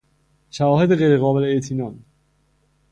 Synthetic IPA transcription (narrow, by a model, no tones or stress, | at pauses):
ʃævɒːhe̞d̪eɣejɾeɣɒːbe̞leeʔt̪ʰiːnɒːn